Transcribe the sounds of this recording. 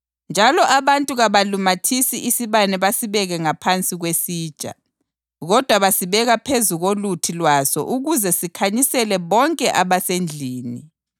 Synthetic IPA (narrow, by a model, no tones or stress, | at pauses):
nd͡ʒʱalɔʔaβantʼuɣaβalumatʰisiʔisiβanɛβasiβɛɣɛŋapʰant͡sʼiɣwesiːd̥ʒ̥ʼʱa̰ | ɣɔd̥ʱwaβasiβɛɣapʰezuɣolutʰilwasɔ̰ʔuɣuzɛsikʰaɲisɛlɛβɔŋkʼɛʔaβasend͡ɮʱiːni